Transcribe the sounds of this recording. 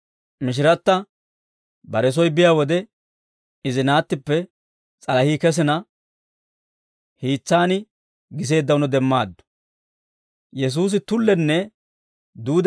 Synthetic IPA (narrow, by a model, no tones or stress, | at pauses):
mɪʃ̬ɪɾɐt̪ːɐ | bɐɾɛs̬ɔjbɪjaːwɔd̪ɛ | ɪzɪnaːt̪ːɪpːɛ | t͡sʼɐlɐhiːkɛs̬ɪnɐ | hiːt͡sːaːnɪ | ɡɪs̬e̞ːd̪ːɐwʊnɔd̪ɛmːaːd̪ːɔ̥ | jɛs̬uːs̬ɪt̪ʊlːɛnːɛ | d̪uːd̪